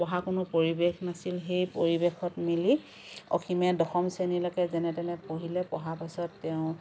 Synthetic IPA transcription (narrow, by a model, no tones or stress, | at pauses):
pɔɦakʊnʊpoɹibexnasilɦejpoɹibexʰɔtmili | ɔ̰xʰimɛdɔxɔmsenilɔkɛzɛnɛtɛnɛpoɦilɛpɔɦapasɔtːɛʊ̃